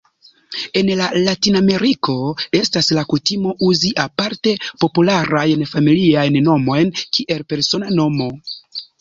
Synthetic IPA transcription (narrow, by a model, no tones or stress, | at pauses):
e̞nlalatiname̞ɾiko̞e̞staslakutimo̞ʔuziʔapaɾte̞po̞pulaɾajnfamiliajnːo̞mo̞jnkiʔe̞lpe̞ɾso̞nano̞mo̞